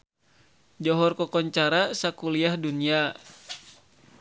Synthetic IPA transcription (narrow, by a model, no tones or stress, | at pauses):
d͡ʒɔɦɔrkɔkɔɲt͡ʃaɾasakuliahdunia